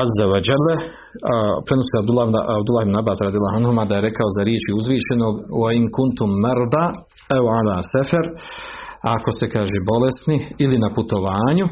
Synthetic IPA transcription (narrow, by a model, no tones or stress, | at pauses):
azːawed͡ʒalː | pɾenosiabd̪ulːaːabd̪ulːhibnabaːsɾad̪ijalːˠaːɦanhumad̪ajeɾe̞kao̞zaɾjet͡ʃiuzʋiːʃe̞noɡwaiŋkunt̪umːaɾd̪aː | awʕalaːsɛfaɾ | ako̞st̪e̞kaːʒeːbo̞le̞st̪niilinaput̪o̞ʋaːɲu